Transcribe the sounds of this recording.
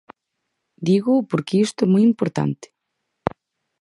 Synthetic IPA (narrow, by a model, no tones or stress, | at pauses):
d̪iɣʊpoɾkeist̪ʊɛmojimpoɾt̪a̰nt̪ɪ̥